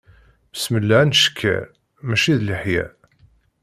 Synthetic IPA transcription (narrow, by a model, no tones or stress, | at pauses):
sməlːaʕænʃə̥kʰːæ̰ | mæʃiðliħjæ̰